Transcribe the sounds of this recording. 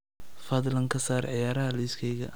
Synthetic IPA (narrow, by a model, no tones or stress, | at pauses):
fɐd̪lɐŋkʰɐsaːrʕɪjaːɾɐɦɐliskʰɛjɣɐ̰